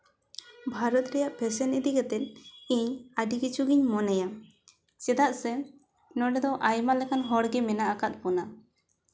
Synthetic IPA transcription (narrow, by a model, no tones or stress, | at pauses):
bʱaɾɔt̪ɾɛjaʔpʰɛsɛnid̪iɡɛt̪ɛn̚ˀiɲaɖikit͡ʃuɡiɲmɔnɛja | sɛd̪aʔsɛ | nɔɖɛd̪ɔʔajmalɛkanɦɔɽɡɛmɛnaʔakat̪̚pɔna